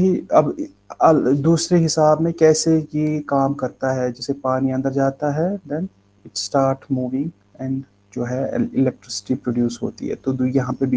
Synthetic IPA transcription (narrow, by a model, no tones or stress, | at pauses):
ɦiɐb | ɐld̪uːsɾeɦɪsaːbmẽkɛːsejekaːmkɐɾt̪aɦɛd͡ʒɛːsepaːniɐ̃nd̪əɾd͡ʒaːt̪aɦɛd̪ɛ̃n | ɪʈsʈaːɾʈmuːʋɪ̃ŋɡ | ɛ̃ːɳɖ | d͡ʒoːɦɛ̰ɪlɛk̚ʈɾɪsɪ̥ʈipɾoːɖjuːsɦo̰ːt̪ḭɦɛ̰t̪od̪uijɐɦãpebʱi